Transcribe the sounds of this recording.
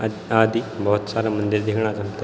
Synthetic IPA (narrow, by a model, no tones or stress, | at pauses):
ad̪ibəɦut̪saɾamənd̪iɾd̪ekɳad͡zãnt̪ə